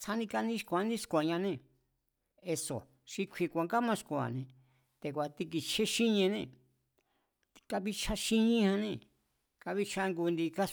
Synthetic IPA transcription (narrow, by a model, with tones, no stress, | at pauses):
t͡sʰa˦nĩ˧ka˧nĩ˦ʃkʷa˨˦nĩ˦ʂkʷa˨ɲã˧nẽ˦˧˨ | e˧so̰˨ | ʃi˧kʷʰi˧kʷa˨˧ŋɡa˦mã˦˧ʂkʷa̰˨nẽ˧ | t̪e˨kʷa˨t̪i˧k̬i˧t͡ʃʰe˦ʃi˦ɲẽ˧nẽ˧˨ | i˧ka˧βi˧t͡ʃʰa˦ʃi˦ɲĩ˦hã˧nẽ˧ | ka˧βi˦t͡ʃʰa˧ŋɡu˧nd̪i˧ka˦